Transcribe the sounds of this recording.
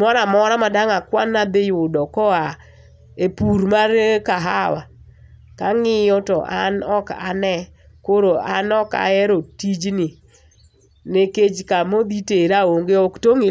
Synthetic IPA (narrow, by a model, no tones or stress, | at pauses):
mɔɾamɔɾamadaŋakwanːad̪ɪjʊdɔkɔa | epuɾmarkaɦawa | kaŋɪjɔtɔ̰ʔanɔka̰nɛ | koɾoanɔka̰ɛɾotid͡ʒni | neked͡ʒkamod̪iteɾaoŋɡeɔktoŋɪ